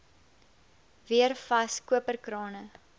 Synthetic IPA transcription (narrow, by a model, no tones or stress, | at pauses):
viərfɐskuəpərkrɑːnə